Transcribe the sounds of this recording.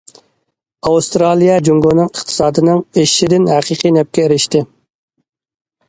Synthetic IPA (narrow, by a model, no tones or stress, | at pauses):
ɑwust̪ɾɑlˠijɛd͡ʒuŋɡonɨŋəχt̪ʰɨ̥sɑːd̪ɨnɨŋeʃɪd̪ɪnhæqʰiqʰijnɛp̚kʲɛeɾɪʃt̪ɪ